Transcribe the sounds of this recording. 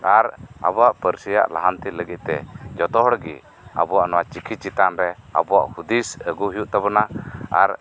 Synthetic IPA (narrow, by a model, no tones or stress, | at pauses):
aɾa̰bɔaʔpəɾsija̰ʔlaɦant̪iləɡit̪̚ˀt̪ɛ̰d͡ʒɔt̪ɔɦɔɽɡḭ | a̰bɔwaʔnɔwat͡ʃikʰit͡ʃit̪anɾɛa̰bɔa̰ʔhud̪isəɡuɦijuʔt̪abɔnaa̰ɾ